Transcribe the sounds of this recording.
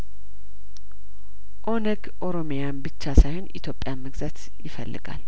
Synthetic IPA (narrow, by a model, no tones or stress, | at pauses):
ʔo̞nəɡʔo̞ɾo̞mjanbɨt͡ʃːasajho̞nʔit̪ʰjo̞pʼːjaməɡzat̪ | jɪfə̰lːɨ̰ɡa̰l